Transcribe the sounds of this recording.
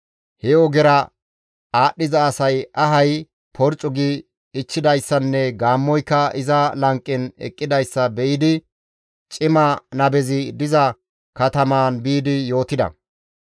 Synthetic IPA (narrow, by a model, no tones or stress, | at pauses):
hɛɔɡɛɾɐ | aːɗɪzɐːsɐjɐɦɐj | pʰɔɾt͡ʃʼʊɡɪ | ɪt͡ʃːɪd̪ɐjsːɐnːɛɡaːmːɔjkːɐɪzɐlɐŋkʼːɪnɛ̰kʼːɪd̪ɐjsːɐbɛʔɪd̪ɪ | t͡ʃʼɪmɐnɐbɛzɪd̪ɪzɐ | kɐt̪ɐmaːnbiːd̪ɪjo̞ːt̪ɪd̪ɐ̰